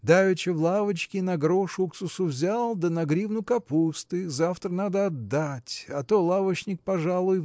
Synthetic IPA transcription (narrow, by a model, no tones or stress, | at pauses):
d̪ajʲʊt͡ɕɪvlˠavət͡ɕkʲɪnɐɡɾoʂʊksʊsʊvzʲalˠd̪ənɐɡɾʲivnʊkɐpust̪ɨzaft̪ɾənad̪əɐd̪ːatʲɐt̪olˠavət͡ɕnʲɪk̚pɐʐalˠʊj